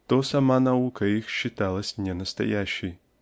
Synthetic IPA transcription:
t̪ɔsɐmanɐukɐjixʃɪt̪alˠɐsʲnʲɛnɐst̪ɐ̰jaɕʲij

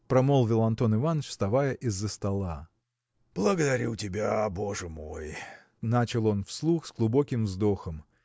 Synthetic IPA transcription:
pɾɐmolˠvʲɪlˠɐnt̪o̞nɪvanət͡ɕfst̪ɐvajəʔɪzːəst̪ɐlˠa | b̥lˠəɡəd̪ɐɾʲutʲɪbʲaboʐɨmoj | nat͡ɕɪlˠo̞nfslˠuxzɡlˠʊbo̞kʲɪmvzd̪o̞xəm

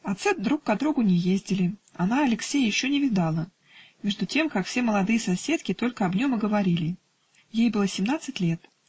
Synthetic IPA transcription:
ɐt̪sɨd̪ɾukːɐd̪ɾuɡʊnʲɪjezʲdʲɪlʲɪɐnaɐlʲɪksʲejjɪɕːonʲɪvʲɪd̪alˠə | mʲe̞ʐd̪ʊtʲe̞mkakfsʲeməlˠɐd̪ɨjəsɐsʲe̞t̪kʲɪt̪o̞lʲkəɐbnʲo̞mɐɡəvɐɾʲilʲɪ | jejbɨlˠəsʲɪmnat̪sɨtʲlʲe̞t̪

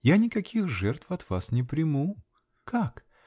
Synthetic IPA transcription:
janʲɪkɐkʲixʐɛrt̪fɐt̪vasnʲɪpɾʲɪmu | kak

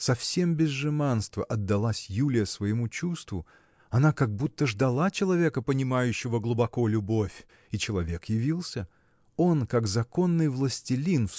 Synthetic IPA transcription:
sɐfsʲe̞mbʲɪzʐɨmanst̪vəʔɐd̪ːɐlˠasʲjulʲɪjəsvəjɪmut͡ɕust̪vʊ | ɐnakaɡ̚but̪ːəʐd̪ɐlˠat͡ɕɪlˠɐvʲe̞kəpənʲɪmajʉɕːɪvəɡlˠʊbɐko̞lʲʊbo̞fʲ | it͡ɕɪlˠɐvʲe̞kjɪvʲilˠsʲə | o̞nkakzɐko̞nːɨjvlˠəsʲtʲɪlʲinf

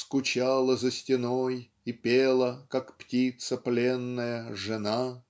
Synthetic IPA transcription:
skʊt͡ɕalˠəzəsʲtʲɪnoj | ipʲelˠəkakptʲit̪səplʲenːəjəʐɨna

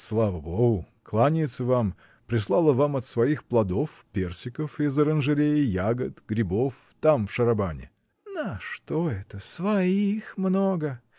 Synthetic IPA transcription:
slˠavəboɡʊ | klˠanʲɪjt̪səvam | pɾʲɪslˠalˠəvamɐt̪svɐixplˠɐd̪o̞fpʲe̞rsʲɪkəfɪzəɾənʐɨɾʲejɪjaɡət̪ɡ̥ɾʲɪbo̞f | t̪amfʂəɾɐbanʲɪ̰ | nəʂt̪oɛt̪əsvɐixmnoɡə

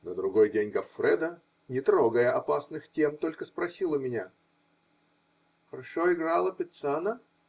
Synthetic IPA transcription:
nəd̪ɾʊɡo̞jdʲenʲɡɐfːɾɛd̪ə | nʲɪt̪ɾoɡəjəʔɐpasnɨxtʲemt̪o̞lʲkəspɾɐsʲilˠəmʲɪnʲa | xəɾɐʂoɪɡɾalˠəpʲɪt̪sanə

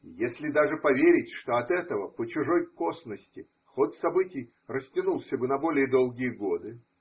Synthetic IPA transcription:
jesʲlʲɪd̪aʐɨpɐvʲeɾʲɪtʲʂt̪o̞ɐt̪ɛt̪əvəpət͡ɕʊʐo̞jkosnəsʲtʲɪ | xo̞t̪sɐbɨtʲɪj | rəsʲtʲɪnulˠsʲəbɨnɐbo̞lʲɪjəd̪o̞lˠɡʲɪjəɡo̞d̪ɨ

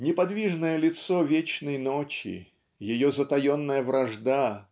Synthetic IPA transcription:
nʲɪpɐd̪vʲiʐnəjəlʲɪt̪sovʲet͡ɕnəjnot͡ɕɪ̰ | jɪjozət̪ɐjonːəjəvɾʔɐʐd̪a

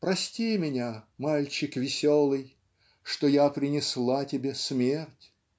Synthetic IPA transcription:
pɾɐsʲtʲimʲɪnʲamalʲt͡ɕɪkvʲɪsʲolˠɨj | ʂt̪ojapɾʲɪnʲɪslˠatʲɪbʲesmʲertʲ

